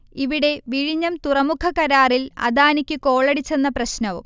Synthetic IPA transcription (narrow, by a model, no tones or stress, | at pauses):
iʋiɽe̞ʋiɻiɲːɐmt̪urɐmukʰɐkɐɾaːrilɐ̰d̪aːnikʲːɨko̞ːɭɐɽit͡ɕːe̞nːɐprɐɕnɐʋṵm